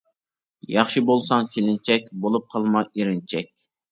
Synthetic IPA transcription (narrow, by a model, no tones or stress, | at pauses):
jɑχʃɨbolˠsɑŋkʲʰelɪnt͡ʃʰɛk̚ʲbolˠup̚qʰɑlˠmɑʔiɾɪnt͡ʃʰɛk̚ʲ